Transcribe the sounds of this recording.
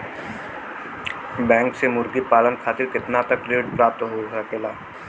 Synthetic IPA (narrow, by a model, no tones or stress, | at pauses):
bɛ̃ːŋksemʊɾɡipaːlənkʰaːt̪ɪɾkɪt̪nat̪ɐkːɾeːɪʈpɾaːp̚t̪ɦosəkʰɪlaː